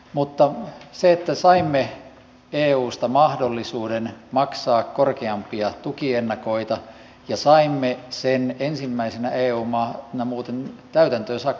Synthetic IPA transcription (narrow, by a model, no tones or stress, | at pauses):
mut̪ːɑseet̪ːæsɑimːe | eːuːst̪ɑmɑhdolːisuːdenmɑksɑːkkorkeɑmpiɑt̪ukienːɑkoit̪ɑ | jɑsɑimːesenensimːæisenæeːuːmɑnɑmuːt̪ent̪æyt̪ænt̪øːsɑkː